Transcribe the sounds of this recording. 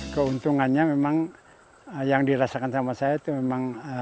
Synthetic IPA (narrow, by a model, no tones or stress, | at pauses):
kəunt̪uŋanɲamemaŋ | jaŋdiɾasakansamasajait̪umemaŋ